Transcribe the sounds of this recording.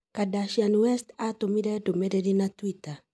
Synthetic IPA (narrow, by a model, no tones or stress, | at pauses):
kadaʃianwɛstat̪omidɛdomɛdɛdinatwita